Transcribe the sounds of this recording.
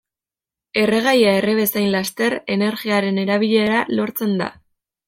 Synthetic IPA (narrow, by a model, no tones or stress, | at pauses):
e̞reɣ̞ajaereβesajnlast̪e̞ɾe̞ne̞ɾɣiaɾe̞ne̞ɾaβ̞iʎe̞ɾalo̞ɾt͡se̞nd̪a̰